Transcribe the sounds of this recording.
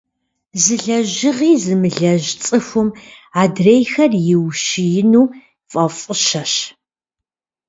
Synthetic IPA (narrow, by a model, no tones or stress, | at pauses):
zɨɮɐʑɪʁiːzɨmɨɮɐʒt͡sʼɨxʷʊmaːdrejxɐrjɪwʃɪjɪnuː | fʼɐfʼʊʃɐɕ